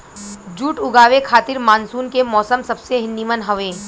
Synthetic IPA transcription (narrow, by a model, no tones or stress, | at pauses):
d͡ʒuːʈʊɡaːʋekʰaːt̪ɪɾmaːnsuːnkemɔːsəmsɐbseɦɪnd̪imənɦɐʋẽː